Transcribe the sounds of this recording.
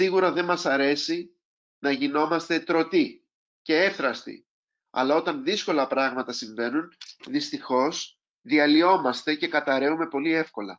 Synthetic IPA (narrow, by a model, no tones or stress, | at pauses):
siɣuɾɐðe̞nmɐsɐɾe̞si | nɐʝino̞mɐst̪e̞t̪ɾo̞t̪i | ce̞e̞fθɾɐst̪ḭ | ɐ̰lɐo̞t̪ɐnðisko̞lɐpɾɐɣmɐt̪ɐsiɱve̞nunðist̪ixo̞s | ðiɐlio̞mɐst̪e̞ce̞kɐt̪ɐɾe̞ume̞po̞lie̞fko̞lɐ